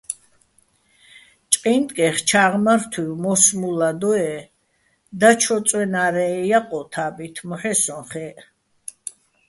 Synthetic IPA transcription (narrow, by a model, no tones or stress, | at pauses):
t͡ʃʼqʼind̪ʼkʼɛχt͡ʃʰaʁmaɾt̪ʰwiwmɔsmulad̪ɔɛ | d̪at͡ʃʰɔsʼwɛnaɾɛjaqʼɔt̪ʰabit̪ʰmɔħɛsɔ̃χɛ